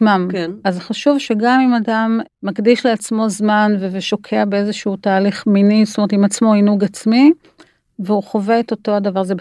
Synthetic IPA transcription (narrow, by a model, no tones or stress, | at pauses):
mamazeχaʃuvʃeɡamimadamːaɡdiʃleat͡smo̞zmanveveʃo̞kʰeabeezeʃuutaːliχminizotomeet̪imat͡smo̞inuɡat͡smi | veuχove̞eto̞to̞adavaʁzeb